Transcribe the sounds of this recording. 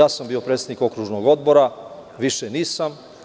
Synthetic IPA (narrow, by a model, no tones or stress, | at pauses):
aːsambiːopɾet̪sed̪iko̞kɾuːʒnoɡo̞d̪bo̞ɾaʋiʃeniːsam